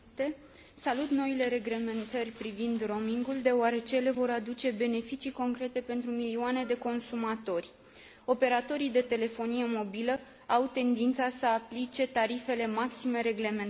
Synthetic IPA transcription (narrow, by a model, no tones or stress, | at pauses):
t̪e̞ | salut̪no̞ile̞ɾe̞ɡle̞me̞nt̪ərʲpɾivind̪ro̞miŋɡuld̪e̞oaɾe̞t͡ʃe̞le̞vo̞ɾad̪ut͡ʃe̞be̞ne̞fit͡ʃiko̞ŋkɾe̞t̪e̞pe̞nt̪ɾumilioane̞d̪e̞ko̞nsumat̪o̞rʲ | o̞pe̞ɾat̪o̞ɾijd̪e̞t̪e̞le̞fo̞nije̞mo̞bilə | awt̪e̞nd̪int̪sasəaplit͡ʃe̞t̪aɾife̞le̞maksime̞ɾe̞ɡle̞men